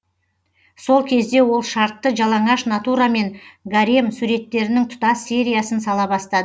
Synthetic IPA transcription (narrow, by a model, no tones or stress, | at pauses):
so̞lˠkʲʰe̞zd̪e̞wo̞lˠʃɑɾt̪ːəʒɑlˠɑɴɑʃnat̪uɾame̞ŋɡaɾimsuɾe̞t̪ːe̞ɾɪnɪŋt̪ʰʊ̥t̪ɑsːe̞ɾʲijasənsɑlˠɑbɑst̪ɑd̪ə